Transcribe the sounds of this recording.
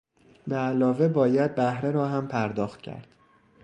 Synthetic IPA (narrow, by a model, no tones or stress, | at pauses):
beælɒːve̞bɒːjæd̪̚bæhɾeɾɒːɦæmpʰæɾd̪ɒːxt̪cʰæ̰ɾd̪̥